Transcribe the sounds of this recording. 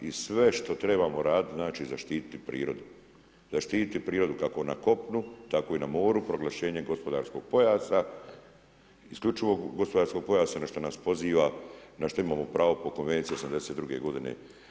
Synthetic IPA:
isʋe̞ʃt̪o̞t̪ɾe̞bamo̞ɾaːd̪it̪znaːt͡ʃiːzaʃt̪iːt̪i̥t̪ipɾḭːɾo̞d̪u | zaʃt̪iːt̪it̪ipɾiːɾo̞d̪ukako̞na̰ko̞pnut̪ako̞inamo̞ːɾupɾo̞ɡlˠaʃe̞ːɲe̞ɡo̞spo̞d̪aːɾsko̞ɡ̥̚po̞jaːsa | isklʎut͡ʃiʋo̞ɡɡo̞spoaɾsko̞ɡ̚po̞jaːsanaʃt̪onaspo̞ziːʋanaʃt̪oimaːmo̞pɾaːʋo̞poko̞nʋe̞nt̪sieosamnd̪e̞set̪d̪ɾuɡe̞̰ɡo̞d̪inḛ

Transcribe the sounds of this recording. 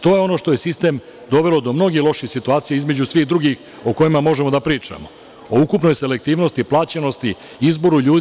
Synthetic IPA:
t̪o̞ːjeo̞no̞ʃt̪o̞je̞sist̪e̞m | d̪o̞ʋe̞lo̞d̪o̞mno̞ɡilo̞ʃixsit̪uaːt̪sijeizme̞d͡ʑusʋiːxd̪ɾuɡix | o̞ko̞jimamo̞ʒemo̞d̪apɾiːt͡ʂa̰mo̞ | oukupno̞jse̞le̞k̚t̪iːʋno̞st̪iplˠaːt͡ɕeno̞st̪i | izbo̞ɾuʎuːd̪

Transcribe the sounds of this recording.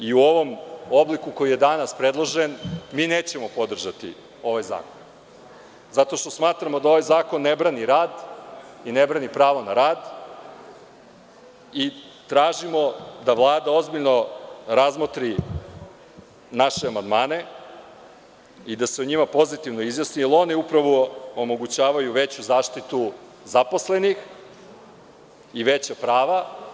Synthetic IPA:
iuo̞ʋo̞mo̞blikuko̞jijed̪anaspɾe̞d̪lˠoʒenmiːneːt͡ɕe̞mo̞po̞d̪r̩ʒat̪ḭ | o̞ʋajza̰ːkon | zat̪o̞ʃt̪o̞smaːt̪ɾamo̞d̪ao̞ʋajzaːko̞nːebɾaniɾaːd̪inebɾanipɾaːʋonaɾaːd̪ | i | t̪ɾaːʒimo̞d̪aʋlˠaːd̪ao̞zbiʎnoɾazmot̪ɾi | naʃeamand̪maːne̞ | id̪aseuɲimapo̞zit̪iʋnoizjasnielo̞niupɾaʋoomo̞ɡut͡ɕaːʋajuʋe̞t͡ɕuzaːʃt̪it̪u | zapo̞sle̞nix | iʋet͡ɕapɾaːʋa

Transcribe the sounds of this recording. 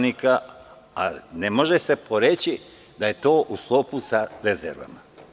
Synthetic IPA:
nika | anemo̞ʒese̞pʰo̞ɾe̞t͡ɕi | d̪aje̞t̪o̞ːʔusklˠo̞pusaɾezḛɾʋa̰ma

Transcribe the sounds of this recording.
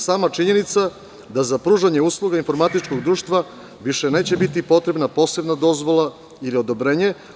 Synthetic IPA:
saːmat͡ʃiɲe̞nit̪sa | d̪azapɾuːʒaɲeuːslˠuɡainfo̞ɾmat̪it͡ʃko̞ɡd̪ɾuːʃt̪ʋa | ʋiʃe̞ne̞ːt͡ɕe̞bit̪ipo̞t̪ɾe̞bnapo̞ːse̞bnad̪o̞zʋo̞lˠa | ilio̞d̪o̞bɾeɲe

